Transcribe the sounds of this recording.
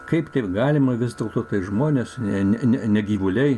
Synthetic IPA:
kɐɪpt̪ʲɐɪpɡɑːlʲɪmɐʋʲɪzd̪ʲeːlˠt̪oːt̪ɐɪʒmoːnʲeːsnʲɛnʲɛnʲɛnʲɛɡʲiːʋʊlʲɛɪ

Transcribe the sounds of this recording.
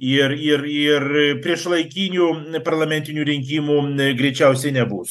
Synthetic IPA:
ɪɾɪrɪrpʲɾʲiɛʃlˠɐɪkʲiːnʲuːpɐɾlˠɐmʲɛnʲt̪ʲɪnʲuːɾʲɪŋʲk̬ʲiːmuɡɾʲɛɪt͡ʃʲɛʊsʲɛɪnʲɛbuːs

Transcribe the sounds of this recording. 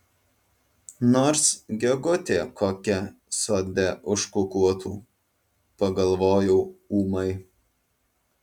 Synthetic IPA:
noːɾsɡʲɛɡʊt̪ʲeːkʰoːkʲɛsoːd̪ʲɛʔʊʃkʊkuɔt̪ṵː | pɐɡɐlˠʋoːjɛʊuːmɐɪ

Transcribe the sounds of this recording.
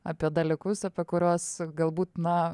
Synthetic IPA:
ɐpʲiɛd̪ɐlʲɪkʊsɐpʲiɛkʊɾʲuɔsɡɐlˠbuːt̪nɐ

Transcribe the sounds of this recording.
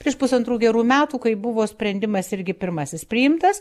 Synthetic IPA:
pʲɾʲiɛʃpʊsɐnt̪ɾuːɡʲɛɾuːmʲæːt̪uːkɐɪbʊʋoːsʲpʲɾʲɛnʲd̪ʲɪmɐsɪɾʲɡʲɪpʲɪɾmɐsʲɪspʲɾʲɪjɪmt̪ɐs

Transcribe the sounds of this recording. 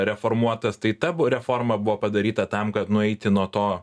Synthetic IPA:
ɾʲɛfoːɾmuɔt̪ɐst̪ɐɪt̪ɐbɾʲɛfoːɾmɐbʊʋoːpɐd̪ɐɾʲiːt̪ɐt̪ɐmkɐt̪nʊɛɪt̪ʲɪnuɔt̪oː

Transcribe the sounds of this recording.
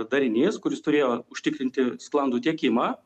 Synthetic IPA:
d̪ɐɾʲɪnʲeːskʊɾʲɪst̪ʊɾʲeːjoːʊʃʲt̪ʲɪkɾʲɪnʲt̪ʲɪsklˠɐnd̪uːt̪ʲiɛkʲɪmɑː

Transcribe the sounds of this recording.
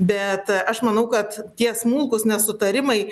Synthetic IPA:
bʲɛt̪ɐʃmɐnɐʊkɐt̪tʲiɛsmuːlˠkʊsnʲɛsʊt̪ɐɾʲɪmɐɪ

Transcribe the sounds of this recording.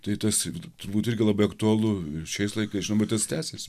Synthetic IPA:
t̪ɐɪt̪ɐst̪ʊɾbuːt̪ɪɾʲɡʲɪlˠɐbɐɪɐkt̪uɐlˠʊʃʲɛɪslˠɐɪkɐɪsʒʲɪnɐʊbɛt̪t̪ɐst̪ʲæːsʲesʲ

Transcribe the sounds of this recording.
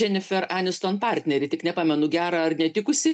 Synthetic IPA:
ɛnʲɪfʲɛɾɑːnʲɪst̪oːnpɑɾʲt̪ʲnʲɛɾʲɪt̪ʲɪknʲɛpɑːmʲɛnʊɡʲæːɾɑɐrnʲɛt̪ʲɪkʊsʲɪ

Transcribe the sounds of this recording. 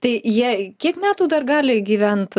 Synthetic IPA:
t̪ɐɪjiɛkʲiɛkmʲæːt̪uːd̪ɐrɡɑːlʲɪɡʲiːʋʲɛnt̪

